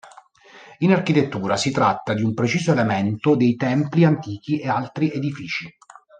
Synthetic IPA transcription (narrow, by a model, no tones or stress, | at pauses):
inark̟it̪et̪ːuːɾasit̪ɾat̪ːad̪iumpɾet͡ʃiːzoelemɛnt̪od̪ejt̪ɛmpliant̪iːk̟iʔealt̪ɾiʔed̪ifiːt͡ʃi